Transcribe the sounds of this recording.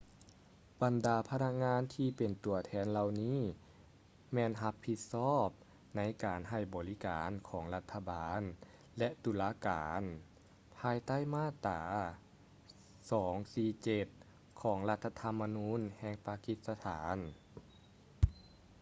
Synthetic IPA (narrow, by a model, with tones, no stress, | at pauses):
ba˨˩ndaː˨˦pʰa˧na˧˥k̚ŋaː˧˥˨nt̪ʰiː˧pe˨˩nt̪u˨˩ɐt̪ʰɛː˧˥nla˧wniː˥˨ | mɛː˧˨nɦa˧pʰːi˧t̪̚sɔː˥˩p̚ | na˧˥jkaː˨˩nɦa˧˩jbɔː˨˩li˦˥kaː˨˦nkʰɔː˩˦ŋla˧t̪ʰːa˧baː˨˦n | lɛ˧ʔt̪uː˨˦laː˧˥kaː˨˩˦n | pʰaː˧jt̪a˥˩jmaː˥˩t̪aː˩˦ | sɔː˩˦ŋsiː˧t͡ɕe˧t̪̚ | kʰɔː˩˦ŋla˧t̪ʰːa˧t̪ʰa˧˥mːa˧nuː˧˥nhɛː˧˩ŋpaː˧ki˧˥t̪̚sa˧t̪ʰaː˩˦n